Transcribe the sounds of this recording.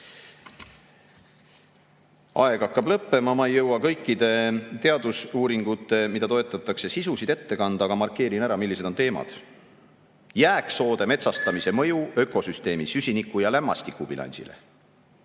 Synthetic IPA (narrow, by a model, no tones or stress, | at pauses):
ɑ̰e̞ɡɑkːɑblɤpːe̞mɑmɑejːɤwɑkɤ̞jkːid̪̥e̞t̪e̞ɑd̪usuːɾiŋɡ̥ut̪ːˑe̞mid̪̥ɑt̪o̞et̪ːˑɑt̪ːˑɑkse̞sisusid̪̥e̞t̪ːe̞kɑnd̪̥ɑɡ̥ɑmɑrkːˑe̞ːɾinæɾɑmilːise̞d̪̥o̞nt̪e̞ːmɑ̰d̪̥ | jæːkso̞ːd̪e̞me̞t̪sɑst̪ɑmise̞mɤ̞juø̞kːo̞syst̪e̞ːmisysʲinikːˑujɑlæmːɑ̰st̪ikːˑub̥ilɑ̰nʲsḭlḛ